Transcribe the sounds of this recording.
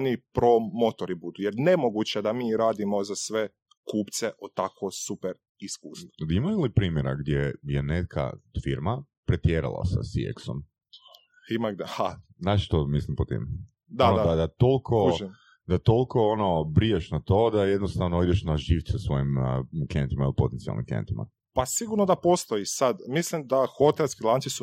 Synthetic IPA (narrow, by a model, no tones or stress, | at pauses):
nipɾomot̪oɾibud̪ujeɾnemoɡut͡ɕed̪amiːɾaːd̪imozasʋe | kuːpt̪seʔot̪akosupeɾ | iskuːsoimajulipɾiːmjeɾa̰ɡd̪jejenet̪̚kʰa̰fiɾma | pɾet̪jeɾa̰lˠa̰sa̰sḭḛkso̰m | imaɡ̪ha | znaːʃʃt̪omislimpot̪ḭm | d̪anod̪ad̪at̪olkʰo̞i | d̪̥at̪olˠko̞onobɾijeʃnat̪o̞d̪ajed̪nost̪aʋnoid̪eʃnaʒiʋ̪sɛsʋo̞jimkent̪imailipo̞t̪ensia̰lnḭmkḛnt̪ima̰ | pasiɡuɾnod̪apost̪oisad̪mislimd̪axot̪elskilˠansisu